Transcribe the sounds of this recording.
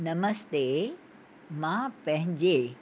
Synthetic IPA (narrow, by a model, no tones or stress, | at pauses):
nɐməst̪e | mãpɐ̃ɦɪ̃ɲd͡ʑeː